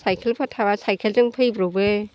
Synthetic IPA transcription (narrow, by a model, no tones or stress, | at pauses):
sajkʰɯlpʰɯtʰabasajkʰelzɯŋpʰɯjbɾobɯ